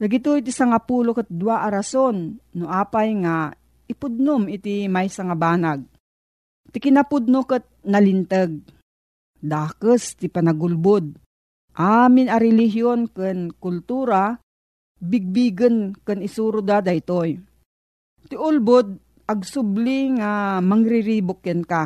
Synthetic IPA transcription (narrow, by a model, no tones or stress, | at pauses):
d̪aɡɪt̪ojt̪isaŋapuːlokət̪̚d̪uwaʔaɾasonːʊʔaːpajŋa | ɪpʊd̪̚nʊmɪt̪imajsaŋabaːnaɡ̪̚ | t̪ɪkɪnapʊd̪̚nokət̪̚nɐlɪnt̪əɡ̚ | d̪aːkəst̪ipanaɡʊlbʊd̪̚ | ʔamɪnɐɾɛliɦjonkənkʊlt̪uːɾa | bɪɡ̚biɡənkɨnɪsuːɾʊd̪ad̪ajt̪oj | t̪ɪʔʊlbʊd̪̚ | ʔɐɡ̚sʊbliŋamɐŋɾɪɾibʊkːənka